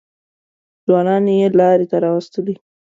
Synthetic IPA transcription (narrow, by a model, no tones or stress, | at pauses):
zwɑnɑnjelɑɾet̪aɾɑwast̪əli